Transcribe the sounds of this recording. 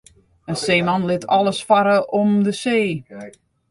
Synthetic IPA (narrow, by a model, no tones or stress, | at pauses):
ənseːmɑnlɪtʰɔlˠəsfaɾəʔɔmdəseː